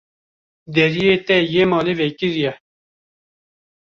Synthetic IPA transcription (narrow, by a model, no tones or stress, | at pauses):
d̪ɛɾijeːt̪ɛjemɑːlevekɪɾijɛ